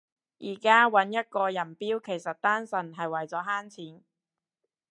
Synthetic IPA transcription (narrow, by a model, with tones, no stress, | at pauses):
ʔiː˨˩kaː˥wɐ˨˥njɐ˥t̚kɔː˧jɐ˨˩npiː˥wkʰe˨˩jsɐ˨t̚t̪aː˥nsɐ˨˩nɦɐ˨jwɐ˨jt͡sɔː˨˥ɦaː˥nt͡sʰiː˨˥n